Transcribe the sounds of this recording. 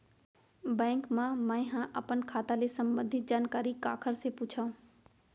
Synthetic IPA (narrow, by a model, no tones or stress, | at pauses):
bɛ̃ːŋkmãmãĩɦãʔəpənkʰaːt̪alesəmbə̃nd̪ʱɪt̪̚d͡ʒaːnkaːɾikaːkʰəɾseput͡ʃʰaũ